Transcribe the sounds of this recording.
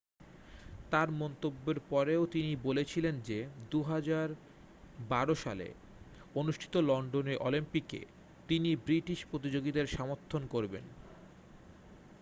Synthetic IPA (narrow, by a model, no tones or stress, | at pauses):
t̪aɾmɔnt̪obːeɾpɔɾeot̪inibolet͡ɕʰilend͡ʑed̪uɦad͡ʑaɾ | baɾoʃa̰lḛ | onuʃʈʰi̥t̪olɔɳɖoneʔolimpikḛ | t̪inibɾiʈiʃpɾot̪̬id͡ʑoɡid̪eɾʃamoɾt̪ʰːonkoɾbḛn